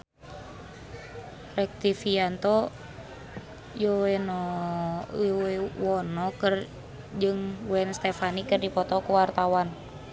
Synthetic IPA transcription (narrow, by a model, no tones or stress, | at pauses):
rɛk̚t̪ifiant̪ɔ | jowɛnɔ | owɛwɔnɔkɨr | d͡ʒɨŋwɛnst̪ɛfanikɨrdipɔt̪ɔkuwart̪awan